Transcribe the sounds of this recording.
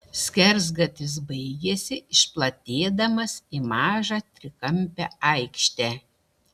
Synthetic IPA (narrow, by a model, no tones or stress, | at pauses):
sʲkʲɛɾzɡɐt̪ʲɪs̬bɐɪɡʲɛsʲɪɪʃplˠɐt̪ʲeːd̪ɐmɐsimɑːʒɑːt̪ʲɾʲɪkɐmʲpʲɛːɐɪkʃʲt̪ʲæː